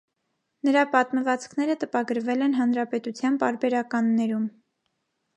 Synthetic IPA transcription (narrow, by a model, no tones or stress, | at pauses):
nəɾɑpɑt̪məvɑt͡skʰnɛɾət̪əpɑɡəɾvɛlɛnɦɑnɾɑpɛt̪ut͡sʰjɑnp̪ɑɾbɛɾɑkɑnːɛɾum